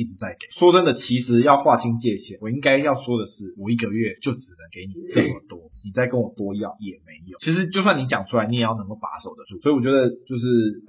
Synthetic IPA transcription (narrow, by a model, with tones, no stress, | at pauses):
i˥˩ʈ͡ʂɻ̩˨˩˦t͡sa˥˩ɪke˨˩˦swɔ˥ʈ͡ʂə˥nd̪ə˨t͡ɕʰi˧˥ʂɻ̩˧˥jɑ˥˧ʊxwa˥˨t͡ɕʰi˥ŋt͡ɕjɛ˥˧ɕjɛ˥˩wɔ˨˩i˥ŋka˥ɪjɑ˥˩ʊswɔ˥d̪ə˨ʂɻ̩˥˩wɔ˨˩i˥˩ɡə˨ɥɛ˥˨t͡ɕjo˥˩ʊʈ͡ʂɻ̩˨˩nə˧˦ŋke˧˥ɪni˨˩kə˥˩wɔ˨˩t̪wɔ˥ni˨˩t͡sa˥˩ɪkə˦nwɔ˨˩t̪wɔ˥i˧jɑ̰˥˩ŋjɛ˨˩me˧˦ɪjt͡ɕʰi˧˥ʂ̬ɻ̩˧˥t͡ɕjʊs̬wa˥˩ni˧˥t͡ɕjɑ˨˩ŋʈ͡ʂʰu˥a˧˥ɪni˧˥jɛ˨˩jɑ˥˩nə˧˦ŋko˥˩pa̰˧˥so˨˩ʊd̪ə˦˥˩swi˨˩wɔ˨˩t͡ɕɥɛ˧˥d̪ə˨t͡ɕjo˥˧ʊʂɻ̩˥˩